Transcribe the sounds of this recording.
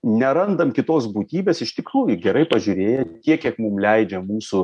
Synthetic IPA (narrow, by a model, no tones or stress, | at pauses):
nʲɛɾɐnd̪ɐmkʲɪt̪oːsbuːt̪ʲiːbʲeːsɪʃt̪ʲɪkruːjʊɡʲɛɾɐɪpɐʒʲʊːɾʲeːjɛtʲiɛkʲiɛkmumlʲɛɪd͡ʒʲɛmuːsʊ